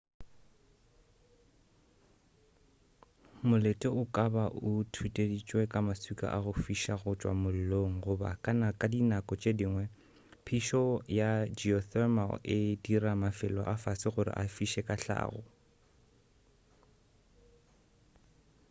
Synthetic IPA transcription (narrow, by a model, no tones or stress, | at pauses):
mʊletʼɛʊkʼabaʔʊtʰwitʼedit͡ʃʼwɛkʼamasikʼa̰ʔaɣʊfiʃaɣʊt͡ʃʼwa̰mʊl̩loŋ̩ɣʊba̰kʼanakʼadinakʼɔt͡ʃʼediŋwɛ | pʰiʃɔjad͡ʒiɔθɛma̰lɪdiramafɪlɔ̰ʔafasɪɣʊɾɪ̰ʔafiʃɛkʼaɬa̰ːɣɔ̰